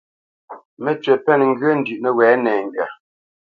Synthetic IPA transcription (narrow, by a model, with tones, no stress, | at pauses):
mɛ˨t͡ʃɥɛ˨pɛ˦˨nŋ̩˦ɡɥə˦n̩˦dʉ˨ʔnə˨wɛː˨˦nɛː˨ŋ˨ɡɥa˨